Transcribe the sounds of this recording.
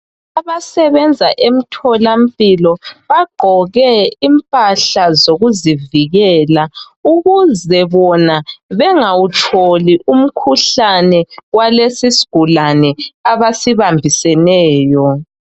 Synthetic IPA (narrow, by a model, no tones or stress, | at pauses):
aβasɛβɛnd͡zʱaʔem̩tʰɔlam̩pʼilɔβaɡ͡ǃʱɔɣɛimpʼaɬazoɣuziviɣɛːla | uɣuzɛβɔnaβɛŋawutʰoliʔum̩kʰuɬanɛwalesisi̥ɡ̥ʱulanɛaβasiβambʱisɛnɛːjɔ